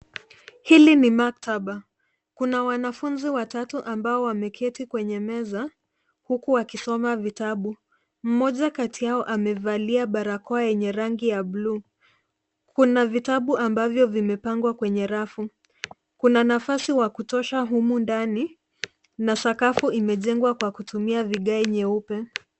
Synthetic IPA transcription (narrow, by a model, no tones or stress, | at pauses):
hilinimak̚taɓa | kunawanafunziwatatuʔambaɔwamɛkʰɛtikwɛɲɛmɛza | hukuakisɔmavitaɓu | m̩mɔʄakatijaɔʔamɛvaliaɓaɾakɔajɛɲɛɾaŋɡijabluː | kʰunavitaɓuʔambavjɔvimɛpaŋɡwakwɛɲɛɾafu | kunanafasiwakutɔʃaɦumundani | nasakafuʔimɛʄɛŋɡwakwakutumiaviɠaɛɲɛupɛ